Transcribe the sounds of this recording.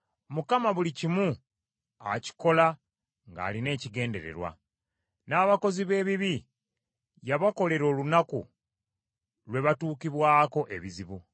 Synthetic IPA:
mukamaβulicimu | a̰ci̥ko̞la | ŋɡa̰ːline̞ːciɡe̞ːnde̞̰ɾe̞̰ɾwa̰ | naːβako̞ziβe̞ːβiβi | jaβako̞le̞ɾo̞ːlunakṵ | lwe̞βatuːkiβwaːko̞ʔe̞βiziβu

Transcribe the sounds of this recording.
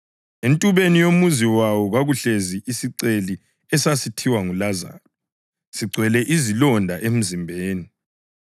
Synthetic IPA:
entʼuβenijomuziwawɔɣwaɣuɬeziʔisiǀeli | ɛsasitʰiwaŋulaza̰l | siɡ͡ǀʱwɛlɛʔizilɔndʱaʔem̩zimbʱeːni

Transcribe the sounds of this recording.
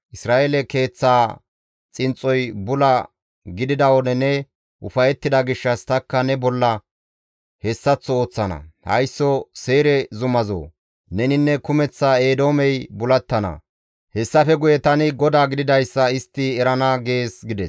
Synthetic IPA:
ʔɪsɾaːʔelɛke̞ːt͡sːaː | t͡sʼɪnt͡sʼɔjbʊlɐ | ɡɪd̪ɪd̪ɐwɔnɛnɛ | ʔʊfɐjɛt̪ːɪd̪ɐɡɪʃːɐst̪ɐkːɐnɛbɔlːɐ | hɛsːɐt͡sːɔoːt͡sːɐnɐ̰hɐ̰jsːɔse̞ːɾɛzʊmɐzo̰ː | nɛnɪnːɛkʊmɛt͡sːae̞ːd̪o̞ːmɛjbʊlɐt̪ːɐnɐ̰ | hɛsːɐfɛɡʊjɛt̪ɐnɪɡɔd̪aːɡɪd̪ɪd̪ɐjsːɐɪst̪ːɪɛɾɐnaɡe̞ːsɡɪd̪ɛs

